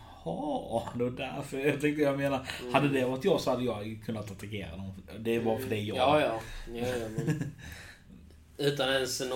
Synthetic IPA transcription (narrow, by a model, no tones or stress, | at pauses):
hɑd̪ɛvadæɾfəɾt̪ʏŋt̪əjɑmeːnahad̪ːəd̪ɛɔt̪ːjɑːɡsɔhad̪ːəjɑːɡkʰɵnːat̪at̪akḛːɾa̰d̪ɔmd̪ɛbɑːɾafəɖɛjɑjɑ | ʉ̟ːt̪anɛnsn